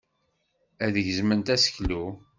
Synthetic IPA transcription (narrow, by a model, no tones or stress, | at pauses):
æðəʝzmənt̪æsə̥çlu